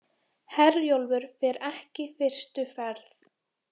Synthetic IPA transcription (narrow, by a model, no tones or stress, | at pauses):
hɛɾjowlvʏɾfɛːɾɛhcɪfɪr̥st̪ʏfɛɾθ